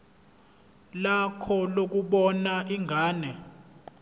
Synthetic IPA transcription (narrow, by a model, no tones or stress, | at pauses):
lakʰɔlok̬uɓɔnaiŋʱaːnɛ